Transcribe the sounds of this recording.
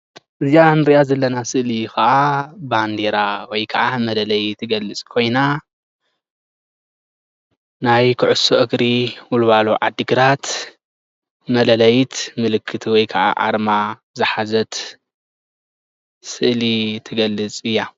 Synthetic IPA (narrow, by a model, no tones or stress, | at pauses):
ʔɨzianɨɾijazɐlːɐnasɨʔlikʰɐʔaband̪eɾawɔjkʰɐʔamɐlɐlɐjt̪ʰɨɡɐlːɨt͡sʼkʰo̞jna | najkʰɨʕʊsoʔɨɡɾiwʊlβaloʕa̰d̪ːɨɡɨɾat̪ | mɐlɐlɐjt̪mɨlɨkʰːɨt̪ʰiwɔjkʰɐʕa̰ʕa̰ɾma | zɨħazɐt̪ | sɨʔlit̪ʰɨɡɐlːɨt͡sʼɨjːa